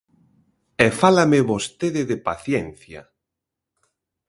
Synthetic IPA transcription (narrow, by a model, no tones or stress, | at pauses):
ɛfalameβost̪eðɪðepaθjɛnθja̰